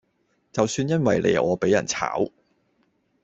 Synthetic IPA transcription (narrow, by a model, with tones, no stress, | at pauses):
t͡sɐ˨wsyː˧njɐ˥nwɐ˨jlʔḛ˨˧˩ʔɔː˨˧pe˨˥jːɐ̰˨˩nt͡sʰa̰ː˨˥w